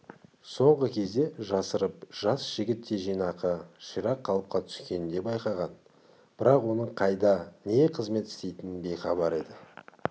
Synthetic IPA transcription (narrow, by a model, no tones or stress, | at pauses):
so̞ɴʁəkʲʰe̞zd̪e̞ʒɑsəɾəp̚ʒ̥ɑsʒ̥ɪɡʲɪt̪ːe̞ʒijnɑqəʃijɾɑqʰːɑlˠəp̚qɑt̪ʰʏ̥skʲe̞nɪnd̪e̞pbɑjqɑʁɑn | b̥ɪɾɑqwo̞nəɴqʰɑjd̪ɑneqʰəzme̞t̪ɪ̥st̪e̞jt̪ɪnbe̞jχɑbɑɾe̞d̪ɪ